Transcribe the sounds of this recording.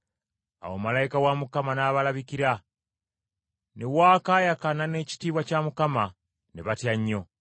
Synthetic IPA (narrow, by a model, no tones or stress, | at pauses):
a̰wo̰malajikawamukamanaːβalaβikiɾa | newaːkaːjakanane̞ci̥tiːβwacamukama | neβatjaɲːo̞